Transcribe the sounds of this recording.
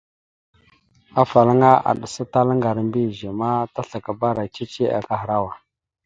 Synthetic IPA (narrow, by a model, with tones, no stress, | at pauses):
a˦fa˨la˦ŋa˦a̰˨ɗu˨sa˦ta˦lə˦ŋɡa˨ɾmbi˦˨ʒe˨ma˦ta˦ɬa˨ka˨ba˦ɾa˨t͡ʃi˦t͡ʃe˦ʔa̰˨ka˦xɾa˦wa˨